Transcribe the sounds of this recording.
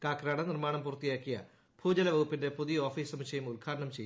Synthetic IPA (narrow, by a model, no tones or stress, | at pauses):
kaːkɾaːɽɐnirmaːɳɐmpurɐt̪ːijaːkːijɐ̰ | bʱuːd͡ʑɐlɐʋɐɣupːinde̞puðijo̞ːfiːsɐmɕɐjumulkʰaːɾɐɳɐmt͡ɕejː